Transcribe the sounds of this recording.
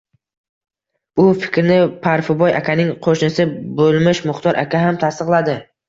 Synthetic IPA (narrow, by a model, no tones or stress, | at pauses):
ʊfɪ̥kʲɾnɪpʰaɾfʊbɒja̰kʲʰanɪŋqʰoʃnɪsɪbolˠmɪʃmʊχt̪ʰɒɾʔa̰kʲaɦamt̪ʰast̪ɨqlˠad̪ɪ